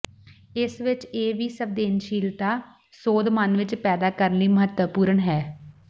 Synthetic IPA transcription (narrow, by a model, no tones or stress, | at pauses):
ɪsʋɪt͡ʃeːʋiːsəb̚d̪eːnʃiːlt̪aː | soːd̪manʋɪt͡ʃpɛːd̪aːkəɾənliːməɦət̪əpuːɾəɳɦɛː